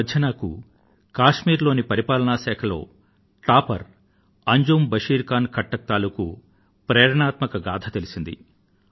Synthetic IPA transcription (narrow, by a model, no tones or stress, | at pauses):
d̪ʱjɐnaːkṵ | kaːʂmiːɾlo̞ːnipɐɾipaːlɐɳaːʃɛːkʰɐlo̞ː | ʈaːpɐ̰ɾ | ɐɲd͡ʒoːmbɐʂiːɾkaːnkʰɐʈːɐk̚t̪aːluku | pɾɛːɾɐɳaːt̪mɐkɐɡaːd̪ʰɐt̪elisind̪ḭ